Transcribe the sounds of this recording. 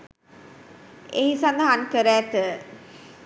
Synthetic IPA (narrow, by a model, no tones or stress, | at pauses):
eɦisand̪aɦankəɾæːt̪ə